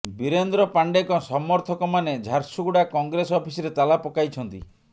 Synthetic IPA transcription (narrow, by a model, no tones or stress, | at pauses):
biɾend̪ɾɔpaɳɖekɔsɔmɔɾt̪ʰɔkɔmaned͡ʒʱaɾsuɡuɽakɔŋɡɾesɔpʰisɔɾet̪alapɔkajt͡ʃʰɔnt̪ḭ